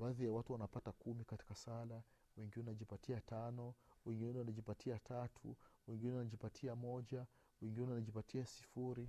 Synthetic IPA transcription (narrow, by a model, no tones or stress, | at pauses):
baːðijawatuwanapatakumikati̥kasala | wɛŋɡinɛwanaʄipatʰiatanɔwɛŋɡinɛnɛwanaʄipatiatʰatʰṵwɛŋɡinɛwanaʄipatʰiamɔʄa | wɛŋɡinɛɛwanaʄipatiasi̥fuɾi